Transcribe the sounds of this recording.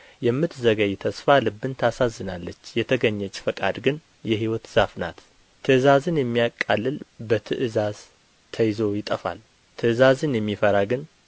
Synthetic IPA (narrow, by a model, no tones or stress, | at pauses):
jɛmːɨt̪zəɡəjt̪ʰəsfalɨbːɨnt̪ʰasazːɨnalːət͡ʃːjɛt̪ʰəɡəɲːɛt͡ʃʼːfəkʼa̰d̪ɡɨn | jɛɦiwɔt̪z̥afna̰t̪ | t̪ʰɨʔɨzazɨnjɛmːijakʼːalːɨlbət̪ʰɨʔɨzaz | t̪ʰəjzo̞jɪt̪ʼəfa̰l | t̪ʰɨʔɨzazɨnjɛmːifəɾaɡɨn